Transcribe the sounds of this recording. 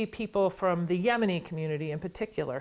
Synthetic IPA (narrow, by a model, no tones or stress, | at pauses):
ipʰipl̩ˠfɹʌ̃mðɨjɛmɨñikʰm̩jʉnɨɾiɨ̃npə˞tʰɪkʰjl̩ˠə̰˞